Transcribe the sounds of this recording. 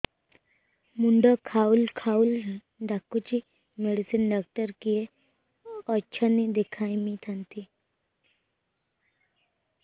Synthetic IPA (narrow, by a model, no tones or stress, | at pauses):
muɳɖɔkʰaːulkʰaul | ɖakːut͡ʃi | meɽisənɖak̚ʈəɾkije | ɔːt͡ʃʰanid̪ekʰaːĩmĩt̪ʰənt̪ʰi